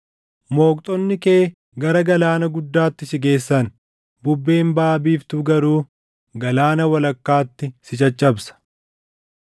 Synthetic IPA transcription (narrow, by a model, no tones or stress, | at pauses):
mo̞ːk̚t̪ʼɔnːɪke̞ː | ɡɐɾɐɡɐlaːnɐɡʊd̪ːaːt̪ːɪsɪɡe̞ːsːɐn | bʊbːe̞ːmbaːbiːft̪ʊɡɐɾuː | ɡɐlaːnɐwɐlɐkːaːt̪ːɪsɪt͡ʃɐt͡ʃʼːɐbsɐ̥